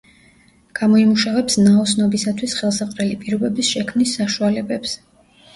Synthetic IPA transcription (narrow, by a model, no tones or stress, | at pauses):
ɡ̥amɔimuʃavɛpsnaɔsnɔbisat̪ʰwisχɛlˠsaqʼɾɛlipʼiɾɔbɛbisʃɛkʰmnisːaʃualɛbɛps